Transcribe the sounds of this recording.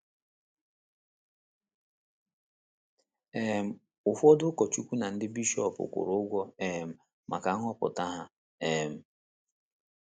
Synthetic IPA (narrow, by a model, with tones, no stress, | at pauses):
e˦˨m̩˨ | ʊ˨fɔ˦dʊ˦kɔ˨t͡ʃu˦kʷu˦na˨n̩˦dɪ˦bi˦ʃɔ˦˨pʊ̰˨kʷʊ̰˨ɾʊ˨˦ʊ˦ɡʷɔ˦e˦˨m̩˨ | mʔa̰˨ka˨˦ŋɔ˦pʊ̰˨ta˦ɦa˦ | e˦˨m̩˨